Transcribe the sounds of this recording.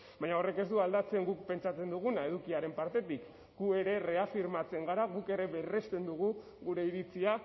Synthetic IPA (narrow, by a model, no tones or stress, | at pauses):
baɲao̞re̞ke̞zd̪uald̪at͡se̞ŋɡuk̚pe̞nt͡ʃat͡se̞nd̪uɣ̞unae̞ð̞ukiaɾe̞mpaɾt̪e̞t̪ik | ɡue̞ɾe̞re̞afiɾmat͡se̞ŋɡaɾaɣuke̞ɾe̞βe̞re̞st̪e̞nd̪uɣ̞u | ɣuɾe̞iɾit͡sia